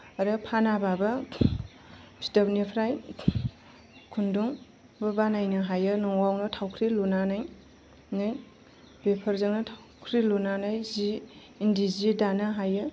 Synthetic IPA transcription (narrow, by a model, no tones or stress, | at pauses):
aɾɯpʰanababa | pʰi̥tapnipʰɾaj | kʰunduŋ | bɯbanajnɯɦajɯnɔŋwawnɔtʰawkʰɾilunanɯj | nɯj | b̥epʰɐɾzɯŋnɯtʰawkʰɾilunanɯjziː | ndizidanɯɦajɯ